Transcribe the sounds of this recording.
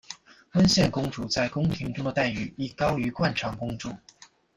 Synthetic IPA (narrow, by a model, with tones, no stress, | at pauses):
fə˥nɕjɛ˥˩nkʊ˥ŋʈ͡ʂu˨˥˩t͡sa˥˩ɪkʊ˥ŋt̪ʰi˧˥ŋʈ͡ʂʊ˥ŋd̪ə˨t̪a˥˩ɪy˨˩i˥˩kɑ˥ʊy˧˥kwa˥˩nʈ͡ʂʰɑ˧˥ŋkʊ˥ŋʈ͡ʂu˥˩